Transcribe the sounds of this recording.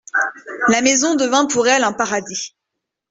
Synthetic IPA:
lamezɔ̃d̪əvɛ̃puʁɛlɛ̃paʁad̪i

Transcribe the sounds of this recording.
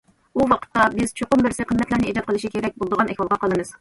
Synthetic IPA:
uwɑqʰə̥t̪ːɑbɪzt͡ʃʰoqʊmbɪɾsɪqʰəmːɛt̪læɾnɪed͡ʒɑt̪̚qʰəlˠɨʃikʲʰeɾɛk̚ʲbolˠd̪əʁɑnʔɛkʲwɑlˠʁɑqʰɑlˠɨmɨz̥

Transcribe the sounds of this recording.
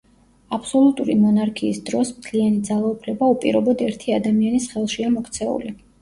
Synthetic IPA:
apʰsɔlˠut̪ʼuɾimɔnaɾkʰiːsd̪ɾɔsmt̪ʰlianid̪zalˠaupʰlɛbaupʼḭɾɔbɔd̪ɛɾt̪ʰiad̪amianisχɛlˠʃiamɔkʰt̪sʰɛṵli

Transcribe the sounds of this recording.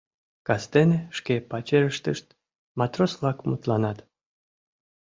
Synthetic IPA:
kɑst̪eneʃkepɑt͡ɕeɾəʃt̪əʃt̪ | mɑt̪roslˠɑkmut̪lɑnɑt̪

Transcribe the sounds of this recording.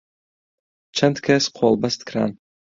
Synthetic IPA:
t͡ʃʰɐnt̪kʰʲɛsqʰolˠbɐst̪kɾa̰n

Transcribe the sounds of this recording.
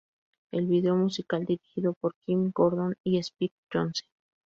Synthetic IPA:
elβiðeomusikald̪iɾixiðopoɾkimɡoɾðoniespik̚t͡ʃonsen

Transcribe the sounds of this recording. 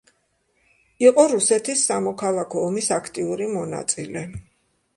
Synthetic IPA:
iqʼɔɾusɛt̪ʰisːamɔkʰalˠakʰɔːmisakʰt̪ʼiuɾimɔna̰t̪sʼilɛ

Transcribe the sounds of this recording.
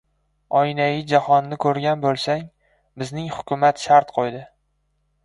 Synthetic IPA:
ɒjnajɪd͡ʒahɒnnːɪkʰɵɾɡʲanbolˠsaŋ | bɪznɪŋhʊkʲʰʊmat̪ʃaɾt̪qʰojd̪ɪ

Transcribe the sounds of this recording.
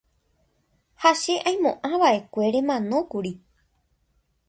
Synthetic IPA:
haʃe̞ʔaj̃mõ̞ʔãʋaʔe̞kʷe̞ɾe̞mãnõ̞kuɾi

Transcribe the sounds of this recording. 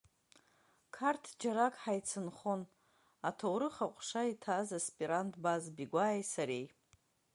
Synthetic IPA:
kʰartʰd͡ʒaɾakʼħajt͡sʰɨnχon | atʰowɾɨχaqʷʼʂaitʰazaspʼiɾantʰʼbazbiɡʷajsaɾej

